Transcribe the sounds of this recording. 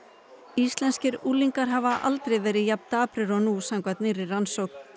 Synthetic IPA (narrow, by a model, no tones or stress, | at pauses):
ist̪lɛnscɪɾuːliŋkaɾɦavaʔa̰lt̪ɾejvɛːɾɪðjapn̥t̪aːpɾɪɾɔnusaŋkvat̪nɪrɪransowkn̥